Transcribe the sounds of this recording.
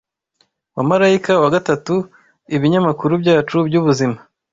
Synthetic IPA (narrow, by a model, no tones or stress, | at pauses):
wamaɾaikawaɡatatu | iβiɲamakuɾubɟaːt͡ʃubɟuβuzima